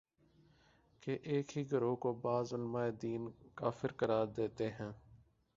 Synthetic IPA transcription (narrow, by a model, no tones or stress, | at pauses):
keʔeːkɦiːɡʱəɾoːkoːbaːzʊlmaːeːd̪iːnkaːfɪɾkəɾaːɾd̪eːt̪eːɦɛ̃ː